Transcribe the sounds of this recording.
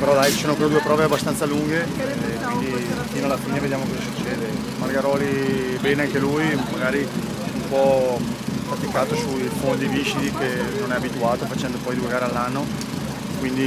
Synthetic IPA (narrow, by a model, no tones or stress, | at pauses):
peɾɔd̪ajt͡ʃi̥soːnokolod̪uːepɾɔːveabːast̪ant̪saluŋɡe | kwind̪ifiːnoalːafiːneved̪jaːmokɔzasut͡ʃːeːd̪e | marɡaɾɔːlibɛːneaŋkelujmaɡaːɾi | umpɔ | fɾat̪ikaːt̪osuifond̪iviʃid̪ikenonɛabit̪uaːt̪ofat͡ʃɛnd̪opɔjd̪uaɡaːɾealːanːo | kwind̪i